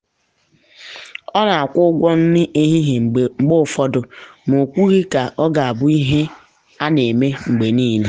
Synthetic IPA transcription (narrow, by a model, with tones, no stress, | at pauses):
ɔ˦na˨a˨kʷʊ˦ɡʷɔ˦n̩˦nɪ˦ʔe˦ɦi˦ɦe˨ŋ͡mŋ͡m̩˨ɡ͡bo˦˨fɔ˦dʊ˨m˨o˨kʷu˦ɣi˦ka˨ʔɔ˦ɡa˨a˨bʊ˦i˦ɦe˦ | a˦ne˨me˦ŋ͡m̩˨ɡ͡be˨niː˦˨le˦